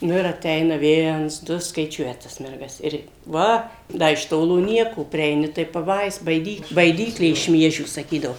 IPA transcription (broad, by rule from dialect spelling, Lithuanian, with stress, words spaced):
ˈnʊ ɪr ɐˈtʲɛɪnɐ ˈʋʲiɛns ˈdʊ skɐɪˈt͡ʃʲuɔjɛ tɐs ˈmʲɛrɡɐs ˈɪr ˈʋɐ ˈdɐ ɪʃ ˈtoːlˠoː ˈnʲiɛkoː pʲrʲiɛɪˈnʲɪ tɐɪ pɐˈbɐɪs bɐɪˈdʲiːklˠ bɐɪˈdʲiːklʲeː ɪʃ ˈmʲiɛʒʲuː sɐˈkʲiːdɐʋoː